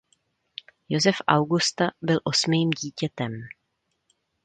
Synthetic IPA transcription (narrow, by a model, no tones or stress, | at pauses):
jo̞zɛfʔawɡust̪abɪlʔo̞smiːmɟiːcɛt̪ɛm